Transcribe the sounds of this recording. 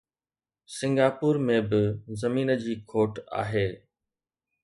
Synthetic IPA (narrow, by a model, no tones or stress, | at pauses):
sɪ̃ŋɡaːpuːɾmẽbɪzɐmiːnə̆d͡ʑiːkʰoːʈa̰ːɦeː